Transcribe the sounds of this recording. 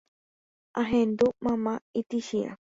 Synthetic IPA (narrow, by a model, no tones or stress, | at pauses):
aɦẽnd̪umãmãit̪iʃĩʔã̰